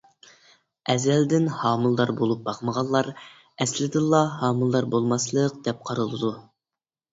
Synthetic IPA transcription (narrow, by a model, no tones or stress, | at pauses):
ɛzɛld̪ɪnhɑːmɨlˠd̪ɑɾbolˠup̚bɑqməʁɑllːˠɑɾ | ɛslɪd̪ɪlˠːɑhɑːmɨlˠd̪ɑɾbolˠmɑslˠəq̚d̪̥ɛp̚qʰɑɾɨlˠɨd̪u